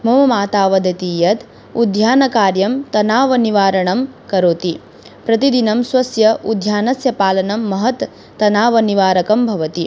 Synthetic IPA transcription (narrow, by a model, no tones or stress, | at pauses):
mɐmɐmaːt̪aːʋɐd̪ɐt̪iːjɐt̪ | ud̪ʱjaːnɐkaːɾjɐmt̪ɐnaːʋɐniʋaːɾɐɳɐmkɐɾoːt̪i | pɾɐt̪id̪inɐmswɐsjɐud̪ʱjaːnɐsjɐpaːlɐnɐmːɐɦɐt̪ː | ɐnaːʋɐniʋaːɾɐkɐmbʱɐʋɐt̪i